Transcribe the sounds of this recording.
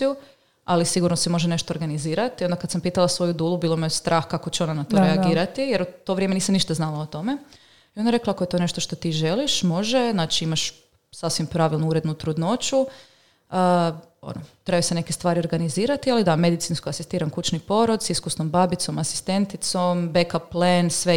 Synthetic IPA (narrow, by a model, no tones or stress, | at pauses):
u | alisiɡuɾnosemo̞ʒene̞ʃt̪oːɾɡaniziːɾat̪io̞nd̪akad̪sampiːt̪alˠasʋo̞jud̪uːlˠubiːlˠomist̪ɾʔaːxkakot͡ɕeo̞nanat̪oɾeaɡiːɾat̪ijeɾut̪o̞ʋɾjemeniːsamniʃt̪aznalaot̪o̞me | io̞nd̪aɾe̞klaakoet̪o̞ːne̞ʃt̪oʃt̪o̞t̪iːʒe̞liʃmo̞ʒe̞znaːt͡ʃiimaʃ | sasʋimpɾaʋilˠnuuɾed̪nut̪ɾud̪no̞t͡ʃu | ə | o̰not̪ɾebasene̞kest̪ʋaːɾioɾɡaniziːɾat̪ialid̪ame̞d̪it̪sinskoasist̪iːɾankut͡ʃnipo̞ɾod̪siskusnombabit̪so̞masi̥st̪e̞nt̪it̪so̞mbekaplensʋe